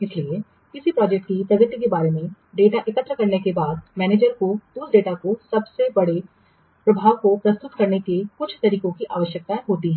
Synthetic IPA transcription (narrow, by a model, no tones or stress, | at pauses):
ɪslie | kɪsipɾɔːd͡ʒɛk̚ʈ̚kit̪ɐɡɪt̪jəkebaːɾemẽ | ɖeːʈaʔɪkət̪ːɾəkɐɾnekebaːd̪mɛːneːd͡ʒəɾkod̪uːsɖeːʈakosɐbsebɐɽe | pɾɐbʱaːʋkopɾɐst̪ʊt̪kɐɾnekekʊt͡ʃʰt̪ɐɾiːkõkiʔaːʋəʃjək̚t̪aɦoːt̪iɦɛ̃ː